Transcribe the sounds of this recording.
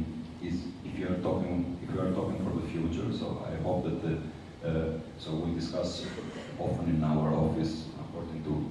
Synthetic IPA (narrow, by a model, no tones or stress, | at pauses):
ɪzɪfjuaɹt̪ɔkɪ̃ŋifjuaɹt̪ɔkɪ̃ŋfɔɾðəfjut͡ʃəɹso̰a̰jɦop̚ðæt̪ | sowidɪskas | ɔfə̃nɪ̃naʊə˞ɔfisə̰kɔɹdɪ̃ŋtu